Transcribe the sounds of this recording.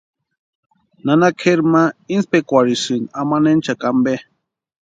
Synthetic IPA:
nanakʰeɾmainspekʷaɾisɨnamanent͡ʃakambe

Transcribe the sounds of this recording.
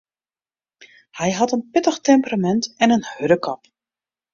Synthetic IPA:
hɛjɦɑtənpɪtəxtɛmpəramɛntɛnənhøɾəkɑp

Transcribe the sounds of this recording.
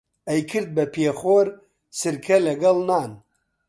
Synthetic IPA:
ɐjkʰɨɾd̪̚bɐpʰeːχoːɾ | sɨɾkʰɐlɐɡɐlˠnaːn

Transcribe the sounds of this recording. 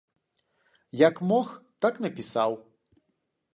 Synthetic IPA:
jɐkmɔxt̪aknɐpʲisaw

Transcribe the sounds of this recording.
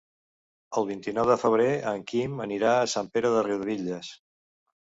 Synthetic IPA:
əlˠβ̞int̪inɔwðəfəβ̞ɾeəŋkiməniɾaəsampeɾəðəriwðβiʎəs

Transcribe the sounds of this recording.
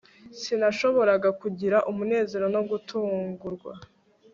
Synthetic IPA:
sinaʃo̞βo̞ɾaɡakuɟiɾaʔumune̞ːze̞ɾo̞no̞ɡutuːŋɡuɾɡwa̰

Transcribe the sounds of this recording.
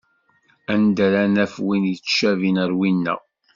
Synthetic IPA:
ænd̪æɾænæfwint͡sːʃævinəɾwinːæ̰

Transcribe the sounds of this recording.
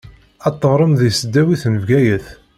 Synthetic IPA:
æt̪ˤːəʁɾˤəmðisəd̪ːæwiθnəvɡæjəθ

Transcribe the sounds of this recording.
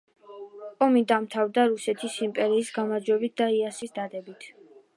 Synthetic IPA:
ɔmid̪amt̪ʰavd̪aɾusɛt̪ʰisimpʼɛɾiːsɡamaɾd͡ʒwɛbit̪̚d̪aiasisd̪ad̪ɛbit̪ʰ

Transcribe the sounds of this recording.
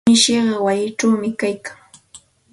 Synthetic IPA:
ɪʃeɢɑwajɪʈ͡ʂawmɪkajkaŋ

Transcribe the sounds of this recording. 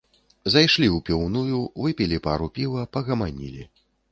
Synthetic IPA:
zajʂlʲiwpʲiwnujuvɨpʲilʲipaɾupʲilɐpɐɣɐmanʲḭlʲi

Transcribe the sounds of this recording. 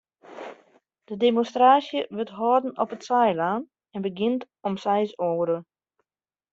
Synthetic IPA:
d̥ədemɔnstraːsjəʋɪtɦɔːdən̩ɔpətsɛjlaːn | ɛnbəɡɪnt | ɔmsɛjsoːɾə

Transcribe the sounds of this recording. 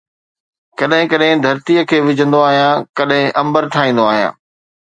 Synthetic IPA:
kɐɗɦɪ̃kɐɗɦɪ̃d̪ʱɐɾt̪iəkʰeːʋɪd͡ʑʱə̃nd̪oaːɦijãkɐɗɦɪ̃ʔɐ̃mbəɾʈʰaːĩːn̆d̪oaːɦijã̰ː

